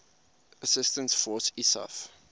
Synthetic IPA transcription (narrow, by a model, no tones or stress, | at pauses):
əsɪstə̃ntsfɔːsisa̰f